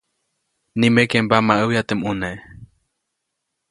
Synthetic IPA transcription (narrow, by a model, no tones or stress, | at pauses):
nĩmekembamaʔɨwjat̪emũne